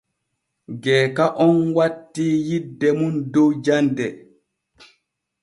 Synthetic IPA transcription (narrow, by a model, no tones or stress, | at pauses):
ɡɛːkaʔɔnwatːiːjidːɛmundɔwd͡ʒandɛ